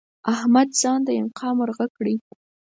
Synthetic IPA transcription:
ahmad̪z̥ɑnd̪əɪnqʰɑmʊɾɣakɽi

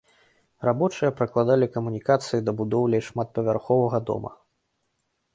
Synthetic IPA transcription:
rabɔt͡ʂɨjɐpɾɐklˠad̪alʲikɐmunʲikat̪sɨjid̪ɐbud̪ɔwlʲɐjʂmat̪̚pɐvʲarxɔvɐɣɐd̪ɔ̰mɐ̰

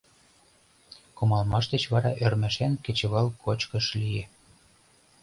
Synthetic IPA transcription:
komɑlmɑʃd̪ĕt͡ɕβɑɾɑʔørmæʃænkĕt͡ɕĕβɑlkʰot͡ɕkɤ̆ʃlie

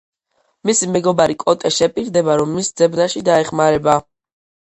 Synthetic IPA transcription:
misimɛɡɔbaɾikʼɔt̪ʼɛʃɛpʼiɾd̪ɛbaɾɔmːisd̪z̥ɛbnaʃid̪aɛχmaɾɛba

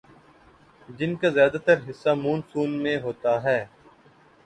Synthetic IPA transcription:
d͡ʒɪnkazjaːd̪at̪əɾɦɪsːamuːnsuːnmẽɦoːt̪aɦɛː

